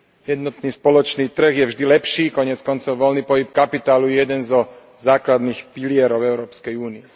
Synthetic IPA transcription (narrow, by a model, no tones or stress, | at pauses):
jɛd̪nɔt̪niːspɔlɔt͡ʃniːt̪r̩ɣjɛvʒd̪ilɛpʃiːkɔɲɪɛt͡skɔnt͡sɔʊʋɔlniːpɔɦip̚kapit̪aːlujɛjɛd̪ɛnzɔ | zaːklad̪niːxpilɪɛɾɔʊɛʊɾɔːpskɛjuːniɛ